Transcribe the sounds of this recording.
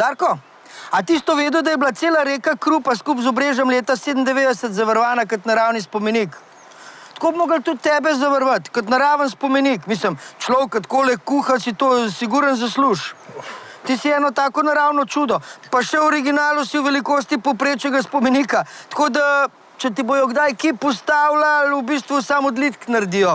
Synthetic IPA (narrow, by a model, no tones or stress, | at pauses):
d̪aɾkɔ | at̪ist̪ɔʋeːd̪ɔd̪ajɛblaseːlaɾeːkakɾupaskupzɔbɾeʒjɛmleːt̪aseːd̪ən̩d̪ɛʋeːd̪ɛsət̪zɐʋɐɾʋaːnakət̪naɾawnispɔmɛnik | t̪koːbmoːɡəlt̪ut̪ːɛːbɛzaʋəɾʋat̪kət̪naɾaːʋənspɔmenikmis̬ləmt͡ʃlɔwkɐt̪koːlɛkuːxasit̪osiɡuɾənzɐsluʃ | t̪isiɛːnɔt̪aːkɔnaɾaːwnɔt͡ʃuːd̪ɔpaʃɛwɔɾiɡinaːlusiwʋɛlikoːs̬t̪ipɔpɾeːt͡ʃɛɡaspɔmɛnikat̪kod̪a | t͡ʃɛt̪̬iboːjɔɡd̪ajkepɔst̪aːwlalubis̬t̪ʋusamɔd̪lit̪knɐɾd̪ijɔ